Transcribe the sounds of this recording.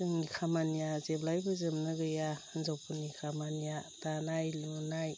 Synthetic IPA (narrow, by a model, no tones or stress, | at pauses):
ɯŋikʰamanijazeblajbɯzɯmnɯɡɯjaɯnzawpʰɯnikʰamanijatanajlunaj